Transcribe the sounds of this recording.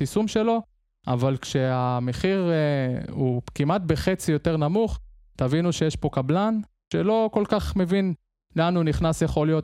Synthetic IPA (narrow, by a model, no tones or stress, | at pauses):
t̪isumʃe̞lo̞ | a̰valkʃeame̞χiʁ | ukimat̪̚beχet͡sijo̞t̪eʁnamuχ | t̪avinuʃejeʃpo̞kablan | ʃelo̞ko̞lkaχme̞vin | lanuniχnasjeχo̞lijo̞t